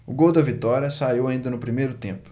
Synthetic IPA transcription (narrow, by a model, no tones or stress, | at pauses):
ʊɡowd̪ɐvit̪ɔɾiɐsaiwaĩnd̪ɐnʊpɾimejɾʊt̪ẽpʊ̥